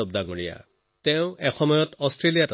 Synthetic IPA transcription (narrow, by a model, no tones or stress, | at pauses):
ɔb̚daŋuɹija̰ | tɛʊ̃ɛxɔmɔjɔtɔstɹelijat